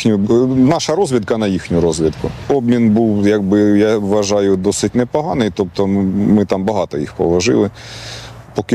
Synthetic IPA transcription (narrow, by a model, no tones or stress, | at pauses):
nʲʊnɑʃɐɾɔzʲʋʲid̪kɐnɐjixnʲʊɾɔzʲʋʲid̪kʊɔbmʲinbuwjɐɡ̚bɪjaʋːɐʒɑjʊd̪ɔsɪtʲnɛpɔɦɑnɪjt̪ɔp̚t̪ɔmɪt̪ɑmbɐɦɑt̪ɔjḭxpɔ̰ʋɐʒɪ̰lˠɪ | pɔkɪ